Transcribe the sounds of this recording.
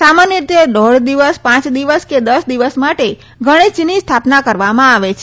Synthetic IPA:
samanjəɾit̪ʰed̪ɔɽd̪iʋəspãt͡ʃd̪iʋəsked̪əsd̪iʋəsmaʈe | ɡʱəɽ̃it͡ʃinist̪ʰapnakəɾʋamãaʋet͡ʃʰ

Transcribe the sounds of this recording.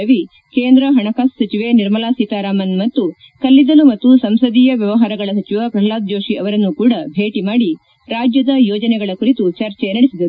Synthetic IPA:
ɐʋi | keːnd̪ɾɐɦɐɳɐkaːssɐt͡ʃiʋe̞niɾmɐlaːsiːt̪aːɾaːmɐnmɐt̪ːu | kɐlːid̪ɐlumɐt̪ːusɐmsɐd̪iːjɐʋjɐʋɐɦaːɾɐɡɐɭɐs̬ɐt͡ʃiʋɐkɾɐɦɐlaːd̪̚d͡ʒoːʂiʔɐʋɐɾɐnːukuːɽɐbʱe̞ːʈimaːɽi | ɾaːd͡ʒjɐd̪ɐjɔːd͡ʒɐnɛɡɐɭɐkuɾit̪ut͡ʃɐɾt͡ʃɛnɐɽisid̪ɐɾu

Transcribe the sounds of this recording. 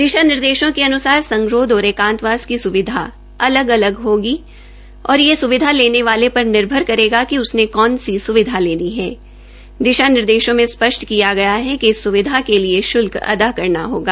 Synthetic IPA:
d̪ɪʃanɪɾd̪eːʃõkeɐnʊsaːɾsɐ̃ŋɡɾoːd̪ɔːɾeːkãːnt̪ʋaːskisʊʋɪd̪ʱa | ɐləɡɐləɡɦoːɡi | ɔːɾjesʊʋɪd̪ʱaleːneʋaːlepɐɾnɪɾbʱəɾkɐɾeːɡakiʊsnekɔːnsisʊʋɪd̪ʱaleːniɦɛː | d̪ɪʃanɪɾd̪eːʃõmẽspɐʃʈkijaɡɐjaɦɛkiɪsːʊʋɪd̪ʱakelieʃʊlkɐ̰d̪akɐɾna̰ɦo̰ːɡaː

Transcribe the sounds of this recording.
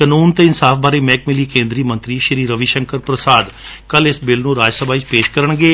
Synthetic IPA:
kənuːnt̪eɪnsaːfʰbaːɾeːmɛ̃ːkmɪliːkẽːnd̪ɾiːmə̃nt̪ɾiːʃəɾiːɾəʋiːʃəŋkəɾpɾəsaːd̪ | kəlɪsbɪlnũːɾaːd͡ʒsəbaːit͡ʃpeːʃkəɾəɳɡeː

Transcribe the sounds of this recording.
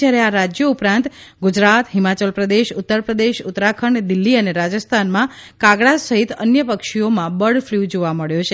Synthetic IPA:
jaɾeaɾad͡ʒjəupɾãnt̪ | ɡud͡ʒɾat̪ɦimat͡ʃəlpɾəd̪eʃʊt̪ːəɾpɾəd̪eʃʊt̪ːɾakʰəɳd̪ɪlːiəneɾad͡ʒəst̪ʰanmã | kaɡɽasəɦit̪ə̰njəpəkʃiomãbəɽfʰljud͡ʒoʋaməɭjot͡ʃʰe

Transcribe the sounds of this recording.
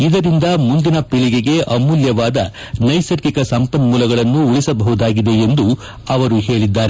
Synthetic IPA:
id̪ɐɾind̪ɐmund̪inɐpiɭiɡeɡe̞ʔɐmuljɐʋaːd̪ɐ | nɐjsɐɾkikɐsɐmpɐnmuːlɐɡɐɭɐnːuuɭisɐbɐɦud̪aːɡid̪e̞end̪u | ɐʋɐɾuɦe̞ːɭid̪ːaːɾe

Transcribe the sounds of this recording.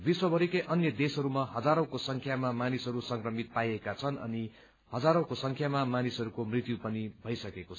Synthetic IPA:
biswʌbʱʌɾikeʔʌnjʌd̪esɦʌɾumaɦʌd͡zaɾʌ̃kosʌŋkʰjamamanisʌɾusʌŋkrʌmit̪̚pajekat͡sʰʌnʌ̰ni | hʌd͡zaɾõkosʌŋkʰjamamanisʌɾukomrit̪jupʌnibʱʌjsʌkekot͡sʰ

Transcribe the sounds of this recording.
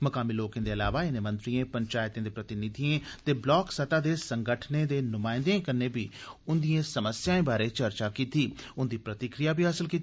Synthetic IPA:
məkaːmiːloːkẽːd̪eːəlaːʋaːɪneːmə̃nt̪ɾiẽːpəɲt͡ʃaːɪt̪ẽːd̪eːpɾət̪ɪnɪt̪iẽːt̪eːblɔːksət̪aːd̪eːsəŋɡəʈʰneːd̪eːnʊmãːɪ̃nd̪eẽːkəɾneːbiːʊnd̪ijẽːsəməsjaːẽːbaːɾeːt͡ʃəɾt͡ʃaːkiːt̪iːʊnd̪iːpɾət̪ɪkɾijaːbʱiːɦaːsəlkiːt̪ː

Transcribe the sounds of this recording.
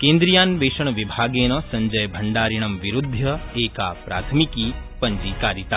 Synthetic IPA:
kẽːnd̪ɾijaːnʋeːʃɐɳʋibʱaːɡeːnɐsɐ̃ɲd͡ʒɐjbʱɐɳɖaːɾiɳ̃ɐmʋiɾud̪ʱːjɐeːkaːpɾa̰ːt̪ʰmikiːpɐ̃ɲd͡ʒiːkaːɾit̪a

